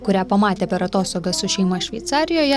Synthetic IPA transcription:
kʊɾʲæːpɐmɑːt̪ʲeːpʲɛɾɐt̪oːst̪oːɡɐsʊʃʲɛɪmɐʃʲʋʲɛɪt̪sɑːɾʲɪjoːjɛ

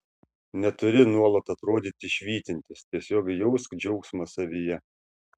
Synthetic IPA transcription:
nʲɛt̪ʊɾʲɪnuɔlˠɐt̪ɐt̪ɾoːd̪ʲiːt̪ʲɪʃʲʋʲiːt̪ʲɪnʲt̪ʲɪst̪ʲiɛsʲoːɡjɔʊskd͡ʒʲɛʊksmɐsɐʋʲijɛ

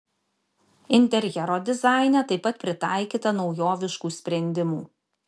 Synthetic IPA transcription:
ɪnʲt̪ʲɛɾʲjɛɾoːd̪ʲɪzɑˑɪnʲɛt̪ɐɪpːɐt̪̚pʲɾʲɪt̪ɑˑɪkʲiːt̪ɐnɒʊjoːʋʲɪʃkuːsʲpʲɾʲɛnʲd̪ʲɪmuː

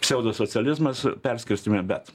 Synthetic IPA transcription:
sʲɛʊd̪osot͡s̪ʲɪɛlʲɪzmɐspʲɛɾʲsʲkʲɪɾʲsʲt̪ʲɪmʲɛbʲɛt̪

